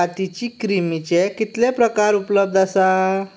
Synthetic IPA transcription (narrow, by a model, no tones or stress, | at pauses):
at̪it͡ɕiːkɾimit͡ɕekit̪lepɾəkaɾupləb̚d̪ʱasa